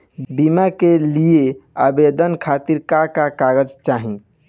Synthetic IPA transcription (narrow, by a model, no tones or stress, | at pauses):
bimakelijea̰bed̪ənkʰat̪iɾkakakaɡəd͡ʒt͡ʃaɦĩ